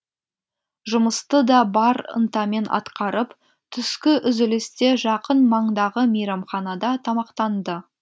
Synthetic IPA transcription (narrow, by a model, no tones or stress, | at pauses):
ʒʊməst̪əd̪ɑbɑɾə̰nt̪ɑme̞nʔɑ̰t̪qɑɾəp | t̪ʰʏskʲɪʔʏzɪlɪst̪e̞ʒɑqənmɑɴd̪ɑʁəmejɾɑmχɑnɑd̪ɑt̪ʰɑmɑqt̪ɑnd̪ə